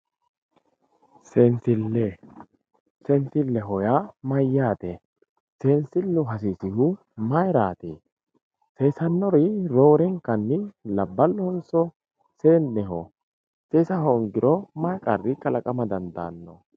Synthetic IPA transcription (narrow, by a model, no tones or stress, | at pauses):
sensɪlːɛ | sɛnsɪlːɛɦɔjamɐjːaːt̪ɛ | seːnsɪlːʊɦɐs̬isɪhʊ | mɐjɾaːt̪eː | seːsɐnːɔɾɪɾoːɾɛŋkːɐnːɪlɐbːɐlːɔhɔnsɔ | seːnːɛɦɔ | seːsɐɦɔŋɡɪɾɔmɐjkʼɐrːɪkɐlɐkʼɐmɐd̪ɐnd̪a̰ːnːɔ